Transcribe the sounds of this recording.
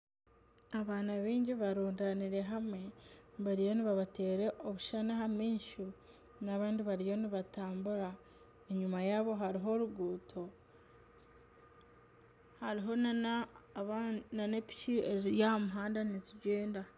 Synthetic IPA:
aβaːnaβiːɲɟiβaɾuːndaniɾe̞ɦamŋe̞βaɾijo̞niβaβate̞ːɾe̞ʔoβuʃanaɦamiːʃu | naβaːndiβaɾijo̞niβataːmbuɾa | eɲumajaβo̞ɦaɾiɦo̞ɾuɡuːtʰo̞ | haɾiɦo̞na | nanepi̥ciejahomuɦaːndaniziɟe̞ːnda

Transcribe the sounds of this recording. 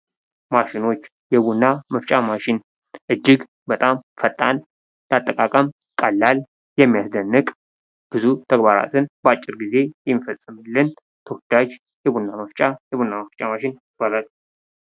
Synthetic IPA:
maʃɪno̞t͡ʃː | jɛβunːaməft͡ʃʼamaʃɪn | ʔɨd͡ʒːɪɡ | bət̪ʼamfət̪ʼːan | lat̪ʼːəkʼakʼəm | kʼəlːal | jɛmːijasd̪ənːɨkʼ | b̥ɨzut̪ʰəɡbaɾa̰t̪ʰɨnbəat͡ʃʼːɪɾɡize̞jɛmfəsʼɨmɨlːɨn | t̪ʰokd̪at͡ʃ | jɛbunːaməft͡ʃʼajɛβunːaməft͡ʃʼamaʃɪnjɪbalalː

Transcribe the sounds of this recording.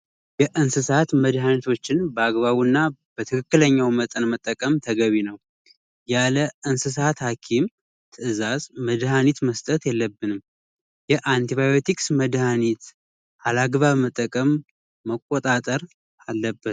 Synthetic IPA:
jɛʔɨnsɨsat̪məd̪ɦanit̪ʰo̞t͡ʃːɪnbəaɡβaβuɨnːab̥ət̪ʰɨkʰɨkːɨləɲːawmət̪ʼənmət̪ʼːəkʼəmt̪ʰəɡəβinəw | jaləʔɨnsɨs̬at̪hakʰim | t̪ʰɨʔɨzazməd̪ɦanit̪məst̪ʼət̪jɛlːəbːɨnɨm | jɛʔant̪iβajot̪ʰiksməd̪hanit̪ | ʔalaɡβaβmət̪ʼːəkʼəmː | əkʼːot̪ʼat̪ʼəɾ | alːəbːət̪̚

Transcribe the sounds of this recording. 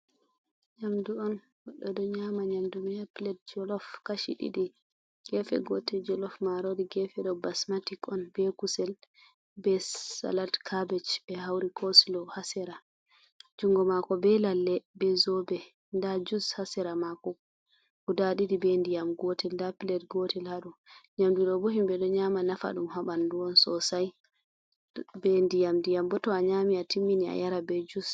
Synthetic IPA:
ɲamduɔn | wɔɗɔdɔɲamaɲamdumijaplɛt̚d͡ʒɔlɔfkaʃḭɗḭɗi | ɡ̥ɛfɛ̰ɡɔtɛd͡ʒɔlɔfmaɾodiɡɛfɛɗɔbasmatikɔnbɛkusɛl | bɛsa̰latkʰabɛt͡ʃbɛɦawɾikʰɔslɔhasɛɾa | d͡ʒuŋɡɔmakɔbɛlalːɛbɛzɔbɛ | ndad͡ʒushasɛɾamakɔ | udaɗiɾibɛndijamɡɔtʰɛldapilɛtɡɔtʰɛlhaɗuɲamduɗɔboɦimbɛɗɔɲaːmanafa̰ɗumɦaɓanduwɔnsɔsaj | bɛndijamdijambɔtɔaɲaːmiatimːinia̰jaɾabɛd͡ʒus

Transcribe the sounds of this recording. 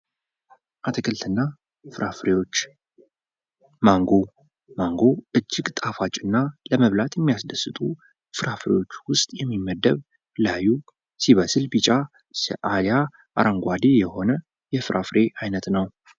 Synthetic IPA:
ʔat̪ʰɨkʰɨlt̪ʰɨnːa | fɾafɾot͡ʃː | maŋɡo | maŋɡo̞ɨd͡ʒːɪɡt̪ʼafat͡ʃʼɨnːaləməβlat̪jɛmːijasd̪əsːɨt̪ʼu | fɨɾafɾḛwo̞t͡ʃːwʊst̪ʼjɛmːimːəd̪əβ | laju | siβəsɨlbit͡ʃʼa | səʔalja | ʔːɾəŋɡʷad̪ijɛho̞nə | jɛfɨɾʔafɾe̞ʔajnət̪nəw

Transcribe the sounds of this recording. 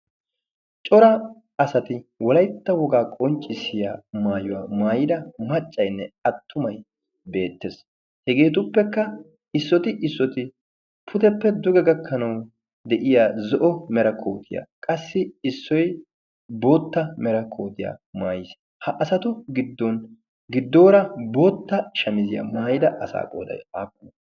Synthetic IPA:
t͡ʃʼɔɾɐ | ɐsɐt̪ɪwɔlɐjt̪ːɐwɔɡaːkʼɔnt͡ʃʼːɪsɪja̰ːmaːjʊwaːmaːjɪd̪ɐmɐt͡ʃʼːɐjnːɛɐt̪ʰːʊmɐj | be̞ːt̪ːes | hɛɡe̞ːt̪̬ʊpːɛkːɐ | ɪsːɔt̪ɪʔɪsːɔt̪ɪ | pʰʊt̪ɛpːɛd̪ʊɡɛɡɐkːɐnɐw | d̪ɛʔɪjaːzɔʔɔmɛɾɐkʰo̞ːt̪ʰɪja̰kʼɐsːɪɪsːɔj | boːt̪ːɐmɛɾɐkʰo̞ːt̪ɪja̰ːmaːjɪs | hɐʔɐsɐt̪ʊɡɪd̪ːɔn | ɡɪd̪ːoːɾɐboːt̪ːɐʃɐmɪzɪja̰maːjɪd̪ɐʔɐsa̰ːkʼoːd̪ɐ̰jaːkːʊn

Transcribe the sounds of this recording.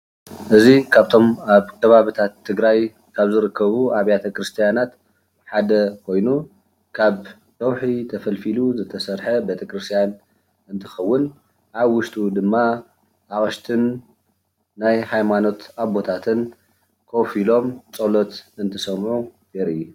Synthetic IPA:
ʔɨzikʰaβt̪ʰo̞maβk̪ʰɐβaβit̪ʰat̪ʰːɨɡɾaj | kʰaβzɨɾɨkːɐβuaβjat̪ʰɐkɾɨst̪ʰijanat̪ | ħad̪ɐkʰo̞jnu | kʰaβ | t̪ʰɐwħit̪ʰɐfɐlfiluzɨt̪ʰɐsɐɾħɐbet̪ʰɐkɾɨst̪ʰijan | ɨnt̪ʰɨ̥xɐwːɨn | ʔaβwʊʃt̪ʼud̪ɨmːa | ʔakʼɐʃt̪ʰɨnː | ajhajmano̞t̪aβo̞t̪ʰat̪ʰɨn | kʰofilo̞mt͡sʼɐlo̞t̪ɨnt̪ʰɨsɐmʕu | jɛɾɨju

